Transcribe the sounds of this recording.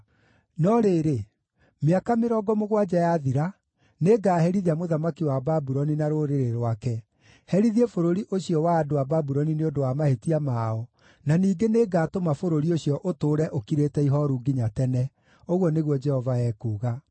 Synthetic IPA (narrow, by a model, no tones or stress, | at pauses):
nɔɾeːɾe | meakameɾɔɡɔmoɣwad͡ʒajaðiɾa | neːɡaːɦɛɾiðiamoðamakiwababuɾɔninaɾoɾeɾeɾwakɛ | hɛɾiðiefoɾoɾiʔoɕijɔwaːdoababuɾɔnineodowamahetiamaɔ | naniːɡeneːɡaːtomafoɾoɾioɕjɔʔotoːɾɛʔokiɾeːtɛiɦɔɾuɡiɲatɛnɛ | oɣwɔneɣwɔd͡ʒɛhɔvaɛːkuːɣa